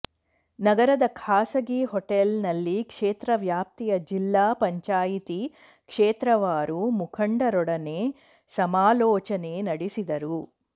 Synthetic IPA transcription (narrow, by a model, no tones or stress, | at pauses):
nɐɡɐɾɐd̪ɐkʰaːsɐɡiɦoʈelnɐlːikʂeːt̪ɾɐʋjaːp̚t̪ijɐd͡ʒilːaːpɐɲt͡ʃaːjit̪i | kʂeːt̪ɾɐʋaːɾumukʰɐɳɖɐɾɔɽɐneː | sɐmaːlɔːt͡ʃɐneːnɐɽisid̪ɐɾu